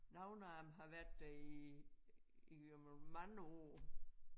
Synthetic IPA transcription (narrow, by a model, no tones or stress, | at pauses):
nɑʊnɑːmɦɑ̈ʋæɐd̥ːæi | i | mɑŋəɔ̰ː